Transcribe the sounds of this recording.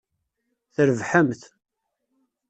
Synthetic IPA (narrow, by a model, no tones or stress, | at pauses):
θəɾəvħəmθ